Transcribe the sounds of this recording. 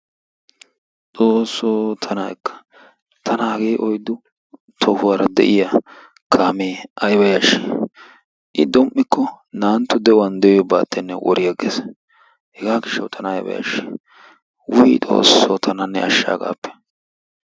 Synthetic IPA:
t͡sʼoːsːoːt̪ʰɐnɐɛkːɐ̥ | t̪ʰɐnɐɐɡeːʔɔjd̪ʊ | t̪ʰɔhʊwaɾɐd̪ɛ̰ʔɪja | kʰaːmeːʔɐjbɐjaʃi̥ | ʔɪd̪ɔmʔːɪkʰːɔnaːnt̪ːʊd̪ɛɔwɐnd̪ɛjjɔba̰ːt̪ːɛnːɛwʔɔ̰ɾɪjɐɡḛːs | hɛɡaːɡɪʃːɐwt̪ʰɐnɐɐjbɐ̰jɐ̰ʃi̥ | wʊjit̪ʼo̞̰ːsːoːt̪ʰɐnɐnːɛ̰ɐʃːa̰ːɡa̰ːpːɛ̥

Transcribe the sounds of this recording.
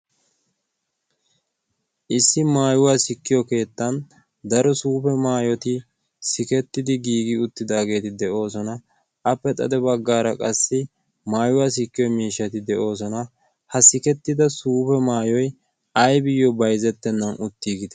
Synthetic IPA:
ʔɪsːɪmaːjʊwaːsɪkːɪjɔke̞ːt̪ːɐn | d̪ɐɾɔsuːpɛmaːjɔt̪ɪ | sɪkɛt̪ːɪd̪ɪɡiːɡɪʊt̪ːɪd̪aːɡe̞ːt̪ɪd̪ɛʔo̞ːsɔnɐ | ʔɐpːɛt̪ʼɐ̰d̪ɛbɐɡːaːɾɐkʼɐsːɪ | maːjʊwaːs̬ɪkːɪjɔjmiːʃːɐt̪ɪd̪ɛʔo̞ːs̬ɔnɐ | hɐsɪkɛt̪ːɪd̪ɐsuːpɛmaːjɔj | ɐjbɪjːɔbɐjzɛt̪ːɛnːɐnʊt̪ːiːɡɪd̪ɛ

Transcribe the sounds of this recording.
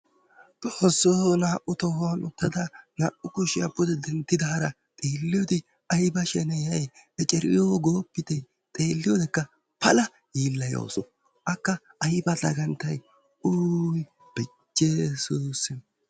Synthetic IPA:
t̪ɔːsːonaːʔʊt̪ɔhʊanʊ̰t̪ːɐd̪ɐna̰ːʔʊkʊʃɪjapːʊd̪ɛd̪ɛnt̪ːɪd̪ɐhɐɾɐ | t̪ʼeːlːɪjod̪ɪ | ɐjbɐʃɛnɛjɐjɛt͡ʃʼɛɾɪ̰joːɡoːpːɪt̪ɛ | t̪ʼe̞ːlːɪjod̪ɛkːɐ | pɐlɐ | jiːlːɐjo̰ːsɔ | ʔɐkːɐ | ʔɐjbɐd̪ɐɡɐnt̪ːɐj | uːj | b̥ɛ | t͡ʃːesuːsɪn

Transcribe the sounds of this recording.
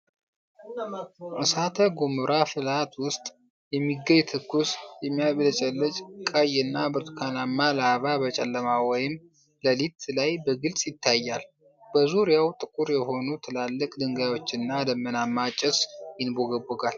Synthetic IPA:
ʔɨsat̪ʰəɡomɨɾʔafɨlat̪wʊst̪ʼ | jɛmːiɡːəɲt̪ʰɨkːusjɛmːijabɨlət͡ʃʼɛlːət͡ʃʼkʼajɨnːabɨɾt̪kʰanamːaləaβabət͡ʃʼɛ̰lːəmawɔjɪm | ləlit̪lajbəɡɨlsʼjɪt̪ʰːajːal | b̥əzuɾijawt̪ʼɨkʼuɾjɛɦo̞nut̪ʰɨlalːəkʼd̪ɨŋɡajwo̞t͡ʃːɪnːad̪əmːənamːat͡ʃʼːɛsjɪnboɡəbəɡal

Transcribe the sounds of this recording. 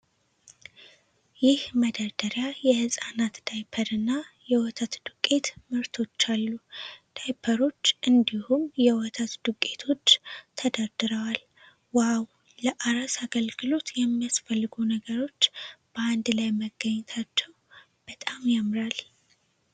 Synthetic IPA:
jɪhməd̪ad̪̥əɾjajɛhɨsʼanat̪d̪̥ajpʰəɾɨnːajɛwɔt̪ʰat̪d̪ukʼːe̞t̪mɨɾt̪ʰo̞t͡ʃːalːud̪̥ajpʰəɾo̞t͡ʃːʔɨnd̪ihumjɛwɔt̪ʰat̪d̪̥ukʼːe̞t̪ʰo̞t͡ʃːt̪ʰəd̪ad̪ɨɾəwal | waw | ləʔaɾasaɡəlɡɨlo̞t̪jɛmːijasfəlːɨɡunəɡəɾo̞t͡ʃːb̥əand̪lajməɡːəɲːɛt̪ʰat͡ʃːɛw | b̥ət̪ʼamjamɾal

